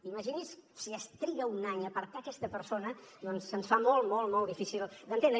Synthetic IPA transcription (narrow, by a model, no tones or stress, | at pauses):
iməʒinissiəst̪ɾiɣəunaɲəpəɾt̪akɛst̪əpəɾsonəd̪ɔnsənsfamolˠmɔlˠmɔlˠd̪ifisilˠd̪ənt̪en